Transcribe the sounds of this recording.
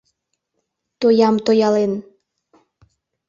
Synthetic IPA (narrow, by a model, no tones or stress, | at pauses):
t̪ojɑmt̪ojɑlen